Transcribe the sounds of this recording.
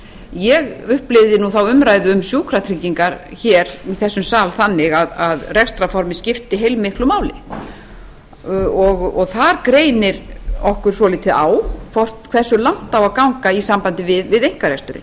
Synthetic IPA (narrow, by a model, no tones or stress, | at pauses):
jɛɣʏhplɪvðɪnuθawʏmɾaːjðʏʏmsjuːkʰɾat̪ʰɾiciŋkaɾ̥çɛɾiθɛsːʏmsaːlθanːɪɣaðaðrɛkst̪ɾafɔɾmɪscɪft̪ɪɦejlmɪhklʏmaːwlɪ̰ | ɔɣɔɣθaɾkɾeːjnɪɾɔhkʏɾ̥sɔlit̪ʰɪʔa̰ːwfɔr̥t̪kʰvɛrsʏlan̥t̪awaðkawŋkaisampant̪ɪvɪðvɪðejŋ̥kaɾɛkst̪ʏɾɪ̰